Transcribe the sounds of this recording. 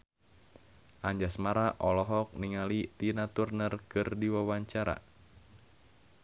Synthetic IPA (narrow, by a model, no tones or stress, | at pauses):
ʔaɲd͡ʒasmaɾaʔɔlɔɦɔk̚niŋalit̪inat̪urnərkɨrdiwawaɲt͡ʃaɾa̰